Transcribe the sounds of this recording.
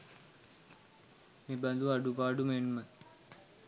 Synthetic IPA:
mẽbə̃nd̪uaɖupaːɖumeɳmɐn

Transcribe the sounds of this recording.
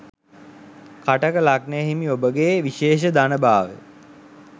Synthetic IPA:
kaʈəkəlak̚nəjɦimiobəɡeːʋiʃeːʃ̬əd̪anəbaːʋə̰

